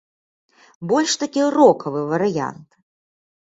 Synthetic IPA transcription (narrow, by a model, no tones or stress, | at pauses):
bɔlʲʂt̪akʲirɔkʰɐvɨvɐɾɨja̰nt̪